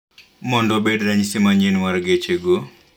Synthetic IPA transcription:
mɔndɔbedɾaɲsimaɲd͡ʒinmaɾɡet͡ʃeɡo

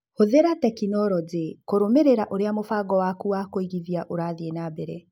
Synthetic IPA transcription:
hoðeɾatɛkinɔɾɔdekoɾomeɾeɾaʔoɾeamofaɡɔwakuakoiɣiðiaʔoɾaːðienabɛɾɛ

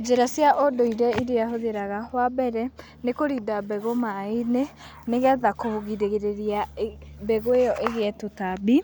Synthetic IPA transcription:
d͡ʒeɾasjaʔodoiɾɛideaɦoðeɾaɣahwabɛɾɛ | nekoɾidabɛɣomaine | neɣɛðakooɣideɣeɾeɾiabɛɣoejɔʔeɣeɛtotabi

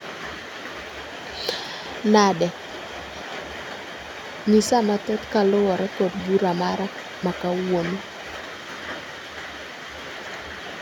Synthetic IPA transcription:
nadɛ | misamat̪ɛt̪kalʊwɔɾɛkɔd̪ɡuɾamaɾa | makawono

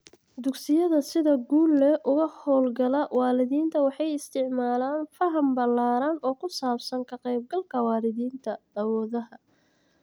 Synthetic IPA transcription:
d̪ʊɡsɪjɐðɐsɪðɐɡuːlːɛʔʊɣɐhɔːlɡɐlɐwɑːlɪðiːnt̪ʰɐwɑħɑjɪst̪ʰɪʕmaːlaːnfɐɦɐmbɐlaːɾɐnɔːkʰʊsaːbsɐŋkʰɐqɛjb̚ɡɐlkʰɐwɑːlɪðiːnt̪ʰɐɐwɔːðɐɦɐ

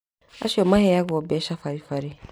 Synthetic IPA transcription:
a̰ʃɔmãhɛjaɡɔbɛʃafaɾifaɾi

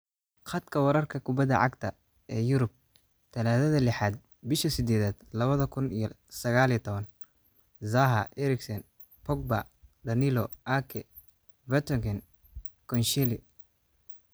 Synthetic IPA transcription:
χɑd̪kʰɐwɐɾɐrkʰɐkʰʊbɐd̪ɐ̰ʕɑɡt̪ʰɐ | ɛːjʊɾʊb̚ | t̪ʰɐlaːðɐðɐlɪħaːd̪̚ | bɪʃɐsɪd̪ɛːðaːd̪lɐβɐðɐkʰʊnij | sɐɣaːlit̪ʰɔβɐn | zaɦɐʔɛɾɪksɐn | pʰɔk̚ba̰ | d̪ɐnɪlɔʔakʰɛ | vɛt̪ɔɡɛn | kʰɔnʃɛlɪ

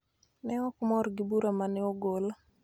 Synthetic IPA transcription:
nɛɔkmɔɾɡɪbuɾamanɛɔɡola

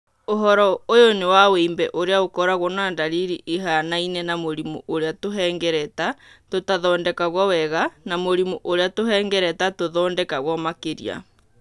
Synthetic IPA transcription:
oɦɔɾɔojonewaweimbɛʔoɾeaokɔɾaɣɔnandaɾiɾiʔeɦanainɛnamoɾimṵʔoɾeatoɦɛːŋɡɛɾɛtatotaðɔːndɛkaɣwɔwɛɣanamoɾimuʔoɾeatoɦɛːŋɡɛɾɛtatoðɔːndɛkaɣwɔmakeɾḭa̰

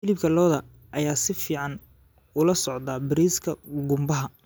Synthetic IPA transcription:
ɪlɪbkʰɐlɔːðɐ | ʔɐjaːsɪfiːʕɑn | ʊlɐsɔʕd̪aːbɪɾiːskʰɐɡʊmbɐɦɐ

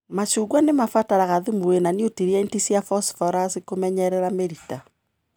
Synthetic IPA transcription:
mat͡ʃuɣwanemafataɾaɣaðumuwenaniotiɾjaintisjafɔsfɔɾasikomɛɲɛɾɛɾameɾita

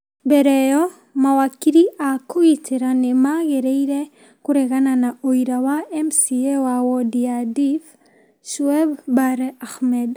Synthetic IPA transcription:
bɛɾɛjɔ | mawakːiɾiʔakuiteɾanemaɡeɾeiɾe | kuɾeɣananaoiɾawaɛmsiewawɔdiadif | ʃuɛbbaɾaxmɛd

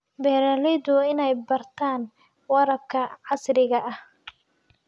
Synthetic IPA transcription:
bɛːɾɐlɪðʊɪnɛjbɐrt̪ʰaːn | wɑɾɐb̚kʰɐʕɑsrɪɣɐʔɐh

